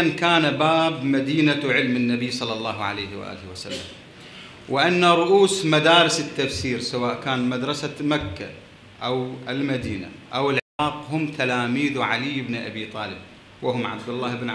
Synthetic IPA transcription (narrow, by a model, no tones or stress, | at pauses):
ankaːnabaːbmad̪iːnaʕɪlmɪnːabiːsˤɑlːɑlˤːɑːɦʕa̰lajhw̰ʔa̰ːlɪhwasa̰lːa̰m | wɪʔanːaɾˤʊʔuːsmad̪aːɾɪsɪt̪ːafsiːɾsawaːʔkaːnmad̪ɾˤɑsamakːa | ʔawɪlmad̪iːna̰ʔawɪlʕɾɑːqɦʊmt̪ʰalaːmiːðuʕalijːɪbnʔa̰biːt̪ˤɑːlɪb̚ | wɪhʊmʕa̰b̚d̪ɪlːaːhɪbnʕ